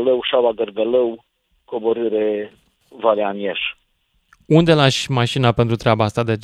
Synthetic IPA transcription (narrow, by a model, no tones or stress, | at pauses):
ləwʃabaɡərɡələw | koboɾɨɾe | valeanjeʃ | und̪elaʃʲmaʃinape̞nt̪ɾut̪ɾeabaast̪ad̪ea